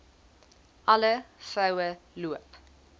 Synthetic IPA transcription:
ʔɐləfɐwəluəp

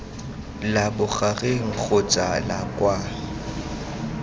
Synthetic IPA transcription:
labʊχaɣeŋ̩k͡xʰʊt͡sʼalakʼwa

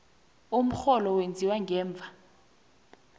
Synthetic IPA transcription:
um̩xɔlɔwend͡zʱiwaŋɡɛːɱb̪vʱa

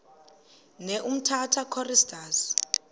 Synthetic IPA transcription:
nɛʔum̩tʰatʰakʰɔristʰʼaːs

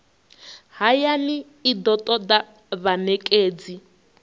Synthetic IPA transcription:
ɦajaniː | d̪ɔtʼɔd̪a | βanɛkʼeːd͡zi

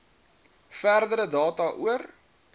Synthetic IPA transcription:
færdəɾədɑːtɑʔuər

